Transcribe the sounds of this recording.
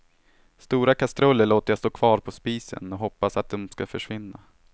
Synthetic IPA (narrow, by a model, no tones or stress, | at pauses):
st̪uːɾakʰast̪ɾœlːəɭoːt̪əjast̪oːkʰvɑːɾpʰɔspiːsə̰nɔɦɔpːasat̪̚d̪ɔmskafœʂvɪnːa